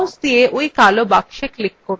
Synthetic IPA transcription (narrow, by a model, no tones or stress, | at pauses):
ũsd̪ieʔojkalobakʃeklikːoɾ